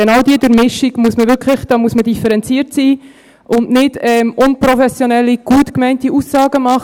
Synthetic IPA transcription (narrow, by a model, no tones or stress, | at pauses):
ɛnɑwdiədəɾmɪʃiɡmuəsməʋʏɾkʰχləχd̥ɑːmuəsmədifɛɾɛnt͡siːəɾtsiː | ʔʊndnɪd̥ɛmʔʊnpɾɔfɛsjonɛlːiɡ̥uətkmɛɪntiusːɑːɡəmɑχ